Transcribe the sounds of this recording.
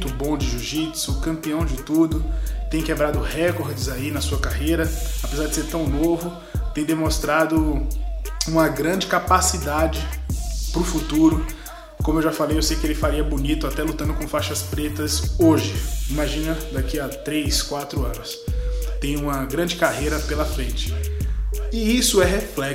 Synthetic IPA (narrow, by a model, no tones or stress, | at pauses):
t̪ʊbõw̃d͡ʒɪʒuʒit̪sʊkɐ̃mpiɐ̃w̃d͡ʒɪt̪ud̪ʊt̪ẽj̃kebɾad̪ʊhɛkoɾd͡ʒɪzainɐsuɐkahejɾɐapezaɾd͡ʒɪseɾt̪ɐ̃w̃novʊ | t̪ẽj̃d̪emõst̪ɾad̪ʊ | ũmɐɡɾɐ̃d͡ʒɪkapasid̪ad͡ʒɪpɾʊfut̪uɾʊ | kõmʊewʒafalejewsejkɪelɪfaɾiɐbunit̪ʊat̪ɛlut̪ɐ̃nd̪ʊkõfaʃɐspɾet̪ɐsoʒɪimaʒĩnɐd̪akiat̪ɾejskwat̪ɾʊɐ̃nʊst̪ẽj̃ũmɐɡɾɐ̃d͡ʒɪkaɦejɾɐpelɐfɾẽnt͡ʃɪ̥ | ɪisʊɛɦeflɛ